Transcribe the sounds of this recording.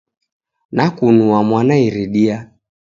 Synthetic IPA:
nakunuamwanaiɾiɗia

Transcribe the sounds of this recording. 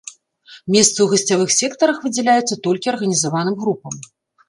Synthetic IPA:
mʲɛst̪sɨwɣɐsʲt͡sʲavɨxsʲɛkt̪ɐɾɐxvɨd͡zʲɛlʲajut̪sːɐt̪ɔlʲkʲiɐrɣɐnʲizavanɨmɣɾupɐm

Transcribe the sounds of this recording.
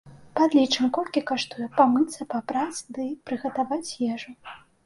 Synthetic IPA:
pad̪lʲit͡ʂɨmkɔlʲkʲikaʂt̪ujɛpamɨt̪sɐpabɾad͡zʲd̪ɨpɾɨɣɐt̪avat͡sʲjɛʐu

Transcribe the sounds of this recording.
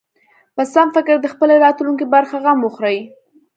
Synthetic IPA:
pasamfɪkɪɾd̪əxpəleɾɑt̪luŋkibaɾxaɣamwʊxɾaj

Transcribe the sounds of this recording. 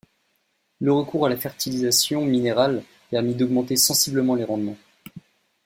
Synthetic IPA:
ləʁəkuʁalafɛʁt̪ilizasjɔ̃mineʁal | pɛʁmid̪ɔɡmɑ̃t̪esɑ̃sibləmɑ̃leʁɑ̃d̪mɑ̃

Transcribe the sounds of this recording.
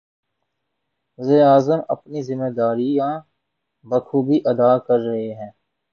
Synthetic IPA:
zɪaːzəmɐ̰pnizɪmeːd̪aːɾiãː | bɐkʰuːbiʔɐd̪aːkɐɾːɐɦeɦɛ̃ː

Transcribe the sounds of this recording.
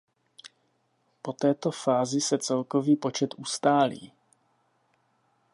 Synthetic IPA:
po̞t̪ɛːt̪o̞faːzɪsɛt͡sɛlko̞viːpo̞t͡ʃɛt̪ʔust̪aːlḭː

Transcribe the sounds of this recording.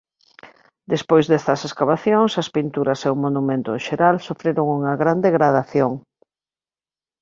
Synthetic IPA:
d̪espojzðɛst̪ɐseskaβaθjoŋsɐspint̪uɾɐseʊmonumẽnt̪ʊeʃeɾalsofɾeɾoŋuŋɐɣɾand̪eɣɾaðaθjoŋ

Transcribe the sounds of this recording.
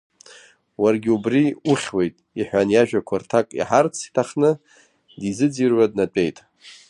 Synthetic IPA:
warɡʲiubriuχʲwe̞jtʼiħʷᶣanjaʒᶣakʷʰartʰakʼḭħart͡sʰi̥tʰaχnɨ | dizɨd͡zirɥad̚nat͡pʼe̞jtʼ

